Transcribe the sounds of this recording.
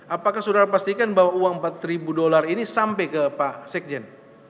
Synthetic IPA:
apakahsudaɾapast̪ikanbaɦwauaŋəmpat̪̚ribudolarinisampɛjkəpasɛk̚d͡ʒɛn

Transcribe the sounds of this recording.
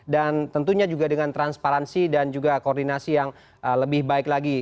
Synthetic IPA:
dant̪ənt̪uɲad͡ʒuɡadəŋant̪ɾanspaɾansidand͡ʒuɡakoːrdinasijaŋ | ʔələbɪhbaɪklaɡi

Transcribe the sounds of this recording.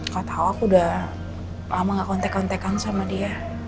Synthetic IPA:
kat̪awakuda | lamaŋɡakɔnt̪ekant̪ekansamadia

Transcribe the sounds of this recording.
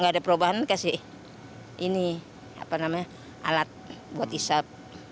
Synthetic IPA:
ŋɡaːdapəɾobaɦankasi | ʔini | a̰panamaɲa | a̰lat̪̚buat̪isap̚

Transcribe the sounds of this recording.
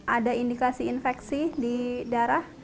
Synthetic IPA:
ʔadaindikasiːnfɛksididaɾah

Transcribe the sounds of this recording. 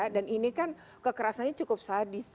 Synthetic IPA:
daninikan | kəkəɾasanɲat͡ʃukʊp̚saːdis

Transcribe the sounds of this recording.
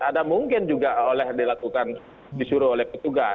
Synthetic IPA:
adamuŋkɪnd͡ʒuɡaolɛhdilakukan | disuɾʊolɛhpət̪uɡa

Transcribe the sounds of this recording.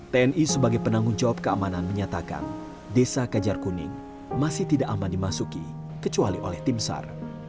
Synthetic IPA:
t̪eɛnisəbaɡajpənaŋɡʊŋd͡ʒawap̚kəamananməɲat̪aka̰n | desakad͡ʒarkunɪ̰ŋ | masɪht̪idaʔamandimasuki | kət͡ʃualiʔo̰lɛht̪imsa̰r

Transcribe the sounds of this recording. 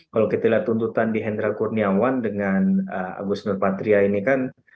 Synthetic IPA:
kalokit̪alaht̪unt̪ut̪andiɦɛnd̪ɾakurniawandəŋanəa̰ɡusnʊrpat̪ɾiainikan

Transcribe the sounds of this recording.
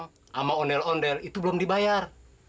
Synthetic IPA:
ŋ | ʔamaɔndɛlɔndɛlit̪ublɔmdibajar

